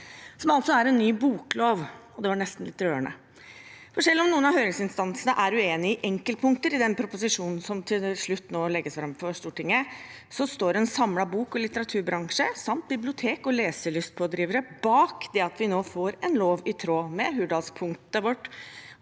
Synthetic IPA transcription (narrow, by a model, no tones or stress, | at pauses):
sɔmɑlt̪sɔæɾɛnːyːbuːkloːʋɔd̪ɛʋɑɳɛst̪n̩lɪt̪ːɾøːəɳə̰ | fɔɾʂɛlːɔmnuːənɑhøːɾɪŋsɪnst̪ɑnsnəʔæɾʉeːnɪəʔɛŋkəlpʰʊŋkt̪əɾɪd̪ɛnpʰɾʊpʊsɪʂuːnn̩sɔmt̪ʰɪlʂɭʉt̪ːnoːlɛɡːəsfɾɑmfɔɾʂt̪uːʈʰɪŋːə | sɔst̪oːɾɛɛnsɑmlɑbuːkɔlɪt̪əɾɑt̪ʰʉːɾbɾɑŋʂəsɑmt̪̚bɪblɪʊt̪ʰeːkɔleːsəɭʏst̪̚pʰoːd̪ɾiːʋəɾəbɑːkd̪ɛɑt̪ʰʋɪnoːfoːɾɛnloːʋɪt̪ʰɾoːmɛɦʉɖɑlspʰʊŋkt̪əʋɔʈː